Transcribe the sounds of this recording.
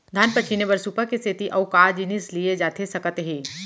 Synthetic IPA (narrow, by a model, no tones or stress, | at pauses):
d̪ʱɐnpɐt͡ʃʰinebɐɾsuːpəkesʰet̪iʔɐʊkaːd͡ʒinislied͡ʒaːt̪ʰesɐkət̪ɦiː